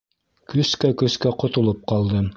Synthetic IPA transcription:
kɵskækɵ̆skæqŏt̪ŏlˠɤp̚qɑlˠd̪ɤ

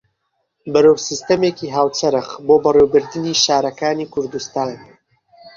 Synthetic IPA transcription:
bɨɾoːwsist̪ɐmekiːɦaːwt͡sɐɾɨχboːbɐreːwbɨɾd̪ɨniːʃaːɾɐkaːniːkʰʊɾd̪ust̪aːn

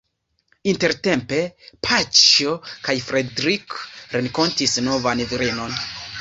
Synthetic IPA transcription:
inte̞ɾte̞mpe̞pʰat͡ʃokajfɾedɾikɾeŋko̞ntisno̞vanviɾeno̞n

